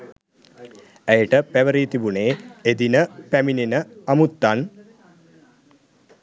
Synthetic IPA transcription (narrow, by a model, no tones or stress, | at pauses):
æjəʈəpæʋəɾiːt̪ibuneːed̪inəpæmininəamut̪ːan